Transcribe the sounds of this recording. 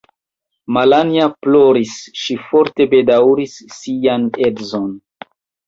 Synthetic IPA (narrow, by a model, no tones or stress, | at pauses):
malaniaploɾisʃifo̞ɾte̞be̞dawɾisːianedzon